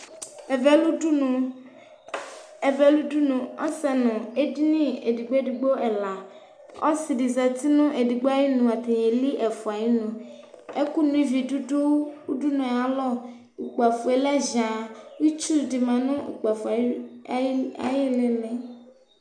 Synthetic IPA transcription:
vɛ˦lu˦u˦n˨ | ɛ˨vɛ˦lu˦du˦nũ˨ɔ̰˦sɛ˦nʊ̃˨e˦di˦nĩ˦e˨di˨ɡ͡bo˦e˦di˨ɡ͡bo˦ɛ˨la˨ | ɔ̰˦si˨di˨zɛ˨t̪i˦nʊ̃˦ʔe˨di˨ɡ͡bo˦a˦ji˦nũ˨a˨t̪e˨ɲe˨li˦ʔɛ˨fu˨a˨ji˦nũ˨ | e˦ku˦nũ˦i˦vi˨du˦u˦u˦du˦nũ˨a˨˦lɔ˦ | u˨k͡pa˨fu˨e˨lɛ˦za˨wi˦t͡ʃu˦di˨mã˨nʊ̃˦ʔṵ˨k͡pa˨fu˨˦ | a̰˨jɪ˦le˨mɛ̃˨

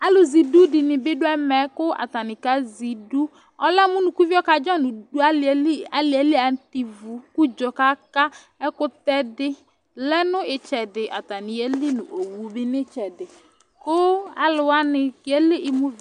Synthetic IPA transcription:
a˦lʊ˨zi˨du˦dɪ˨nɪ˨bɪ˦dʊ˦ɛ˦mɛ˨˦kʊ˦a̰˨ta˨nɪ˨ka˦zi˨du˦ | ɔ˦lɛ˦mʊ˦nʊ˨ku˦vi˦ɔ˦ka˨d͡ʒɔ˦nʊ˨du˨˦a˦˨˦a˦lɪ˨ɛ˨˦lɪ˦a˨n˦ti˨vu˨ku˦d͡ʒɔ˨ka˦ka˦ | ɛ˦kʊ˦tɛ˦dɪ˦ | lɛ˦nʊ˦ɪ˨t͡ʃɛ˨dɪ˨ʔa̰˨ta˨nɪ˨e˦lɪ˦nʊ̰̃˨ʔo˨wu˨˦bɪ˦nɪ˦t͡ʃɛ˨dɪ˨ | kʊ˦a̰˨lʊ˨wa˦nɪ˨kɪ˨e˦lɪ˦ʔɪ˨mʊ˦v

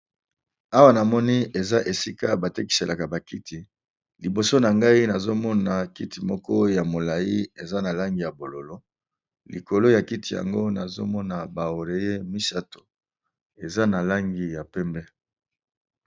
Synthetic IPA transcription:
a˦wa˦na˨mɔ˦ni˦e˨za˦ʔe˨si˦ka˦ba˨te˦ki̥˨se˨lʔa˨ka˨ba˨ki˦ti˨ | li˨bo˨so˦na˨ŋɡa˦i˦na˨zo˦mɔ˦na˨ki˦ti˨mɔ˦kɔ˦ja˨mo˨la˨i˦e˨za˦na˨la˦ŋɡi˨ja˨bo˨lo˨lo˦ | lḭ˨ko˨lo˦ja˨ki˦ti˨ja̰˨ŋɡo˦na˨zo̰˦mɔ˦na˨ba˨o˨ʁe˨je˦mi˦sa˦to̥˨ | e˨za˦na˨la˦ŋɡi˦ja˨pɛ˦mbɛ˦

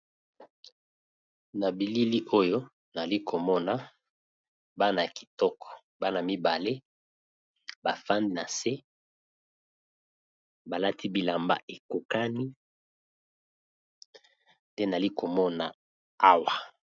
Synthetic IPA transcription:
na˨bi˨li˦li˦ʔo˦jo˦ | na˨li˦kʰo˨mɔ˦na˦ | ba˦na˨ki̥˨tɔ˦kɔ̥˨ | ba˦na˨mi˦ba˨le˦ | ba˨fa˦ndi˦na˨se˦ | ba˨la˦tʰi˦bi˨la˨mba̰˦ʔe˨ko˨ka˦ni˦ | nde˦na˨li˦ko˨mɔ˦na˨ | a˦wa˨

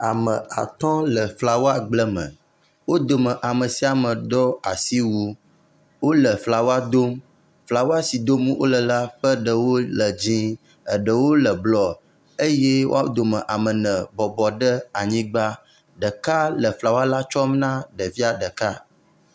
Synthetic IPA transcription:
a˨mə˨a̰˨t̪ɔ˦lə˨fla˨wo˦a˦ɡ͡blə˦mə̰̃˨ | wo˦d̪o˨mə̃˨ʔa˨mə˨si˨˦a˨mə̃˨d̪ɔ˦a˨si˦wu˦ | wo˦lə˨fla˨wo˦a˦d̪o˦m | fla˨wo˦a˦si˨d̪o˦mwo̰˦lə˨la˦ɸə˦ɖə˨wo˦lə˨d͡ʑĩ˦ | ə˨ɖə˨wo˦lə˨blɔ˦ | ə˦je˦wo̰˦a˦d̪o˨mə̃˨ʔa˨mə˨nə̃˨bɔ˨bɔ˨ɖə˦a˨ɲĩ˦ɡ͡ba˦ | ɖə˨ka˦lə˨fla˨wa˦la˦t͡ʃɔ˦mnã˦ɖə˨vi˦a˨ɖə˨ka˦

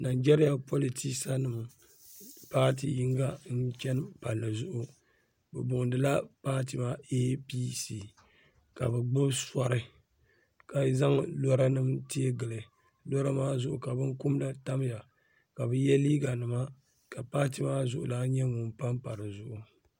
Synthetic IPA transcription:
na˨d͡ʒɛ˦ɾi˦ja˨po˦li˨ti˦ksa˦nɨ˨m˨ | paː˦t̬ḭ˨ji˦ŋ˦ɡa˦n̩˦t͡ʃɛ˦n˦pa˨nːɨ˨zʊ˦ʔʊ˦ | bɛ˨bʊ˨ŋdɨ˨la˦paː˦ti˨maː˦e˦pi˦si˦ | ka̰˨bɛ˨ɡ͡bɨ˦bsa˦ɾɨ˨ | ka˨za˦ŋlɔ˦ɾa˦nɨ˦mti˦e˦ɡɨ˨lɨ˨ | lɔ˦ɾa˦maː˦zʊ˨ʔʊ̰˨ka˨bɨ˦ŋku˦m˦la˦ta˦m˦ja˨ | ka˨bɛ˦jɛ˦liː˦ɡa˨nɨ˨ma˦ | ka˨paː˦ti˨˦maː˦zʊ˨ʔʊ̰˨laː˦ɲɛ˦ŋʊ˨mpa˦mpa˨ɾɨ˨zʊ˦ʔʊ˨

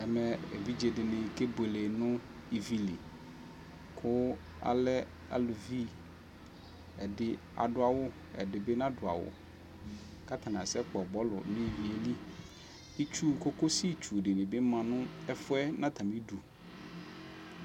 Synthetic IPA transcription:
ɛ˨mɛ̃˨ḛ˨vi˦d͡ʒe˨dɪ˨nɪ̃˨ke˦be˨le˨nʊ̃˦ | i˨vi˦li˨ | kʰʊ˦ | a̰˨lɛ˦ | a̰˨lu˨vi˦ | ɛ˨dɪ˨ | a̰˨dʊ˨a˨wʊ˦ | ɛ̰˨dɪ˨be˦nã˦dʊ˨a̰˨wʊ̰˨ | ka˦t̪ʰa˨nã˨sɛ˦k͡pɔ˨ɡ͡bɔ˦lʊ̰˨nĩ˦˨wi˨e˨li˦ | i˦t͡ʃu˦˨ko˦ko˦si˦t͡ʃu˨dɪ˨nɪ˨be˦mã˨nʊ̃˦ɛ˦fʊ˦ɛ˦nã˦t̪ʰã˨mĩ˦du˨

